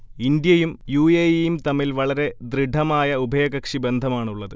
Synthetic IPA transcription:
ind̪jɐjumjuːeːjjumt̪ɐmːilʋɐɭɐɾe̞d̪ɾiɖʱɐmaːjɐubʱɐjɐɣɐkʂibe̞nd̪ʱɐmaːɳuɭːɐðɨ

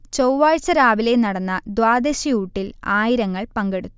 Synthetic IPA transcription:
t͡ɕowʋaːɻt͡ɕːɐɾaːʋile̞nɐɽɐnːɐd̪waːd̪eɕiuːʈːilaːjiɾɐŋːɐɭpɐŋɡe̞ɽut̪ːu

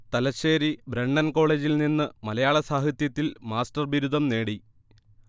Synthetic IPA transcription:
t̪ɐlɐɕe̞ːɾibɾeɳɖɐnko̞ːɭe̞ːd͡ʑilninːɨmɐlɐjaːɭɐsaːɦit̪jɐt̪ːilmaːsʈɐrʋiɾud̪ʱɐmne̞ːɽi

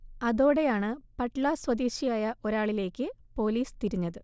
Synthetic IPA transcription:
ɐðo̞ːɽe̞jaːɳɨpɐʈɭaswɐd̪iːɕijaːjɐʔo̞ɾaːɭile̞ːkʲːɨpo̞ːliːst̪iɾiɲːɐðɨ

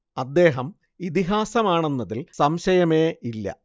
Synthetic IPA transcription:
ɐd̪ːe̞ːɦɐm | it̪iɦaːsɐmaːɳenːɐðilsɐmɕɐjɐme̞ːilːɐ̰

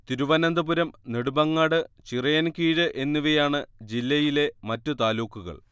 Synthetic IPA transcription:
t̪iɾuʋɐnɐnd̪ɐbuɾɐmneɽubɐŋːaːɽɨt͡ɕirɐjɐnkiːɻɨʔe̞nːuʋɐjaːɳɨd͡ʑilːɐjile̞mɐtːɨt̪aːluːkːuɣɐ̰ɭ

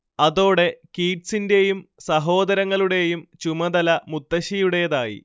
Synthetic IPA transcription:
ɐðo̞ːɽe̞kiːʈsinde̞jumsɐɦo̞ːd̪ɐɾɐŋːɐɭuɽe̞jumt͡ɕumɐd̪ɐlɐmut̪ːɐɕijuɽe̞jɐðaːjḭ

